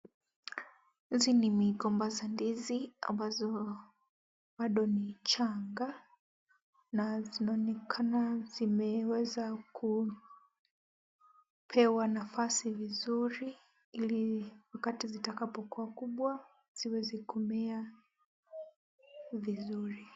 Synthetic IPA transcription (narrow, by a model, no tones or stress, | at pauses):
zinimiɡɔmbazandizia̰mbazɔ | ɓaɗɔnit͡ʃʰaŋɡa | nazinɔnɛkʰanazimɛwɛzakʰu | pʰɛwanafasivizuɾi | iliwakatizitakapɔkuakuɓwa | z̥iwɛzikʰɔmɛa | vizuɾi